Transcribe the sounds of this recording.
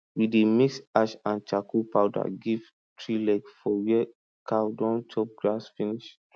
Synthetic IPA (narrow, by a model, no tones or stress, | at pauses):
widemiksaʃãnt͡ʃakupawda̰ɡiv | tɹilɛkfɔwɛ | kawdɔ̃nt͡ʃʰɔp̚ɡɹasfiniʃ